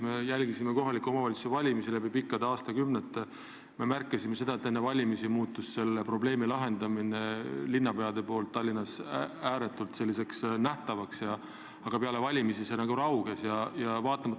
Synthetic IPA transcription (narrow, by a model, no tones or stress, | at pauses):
me̞jælʲɡisime̞ko̞ɦɑlikːˑuo̞mɑvɑlʲt̪su̥sevɑlʲimisilæbipikːˑɑd̪eɑːst̪ɑkymnet̪ːˑe | me̞mærkːˑisime̞se̞d̪ɑet̪ːˑe̞nːevɑlʲimisimuːt̪ːˑusse̞lːepro̞ble̞ːmilɑɦe̞nd̪̥ɑmine̞linːɑpe̞ɑd̪e̞po̞ːlt̪ːɑlʲːinɑsæːɾe̞t̪ːˑult̪se̞lːise̞ksnæht̪ɑvɑksjɑ | ɑɡ̥ɑpeɑle̞vɑlʲimisisenɑɡuɾɑwɡ̥esjɑjɑvɑːt̪ːˑɑmɑt̪ː